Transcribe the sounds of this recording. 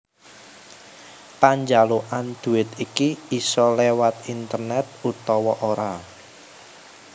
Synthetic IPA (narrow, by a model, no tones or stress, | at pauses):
paɲd͡ʒaloʔand̪̥ṳɪt̪ikiisɔlewat̪̚int̪ərnɛt̪̚ut̪ɔwɔʔoɾa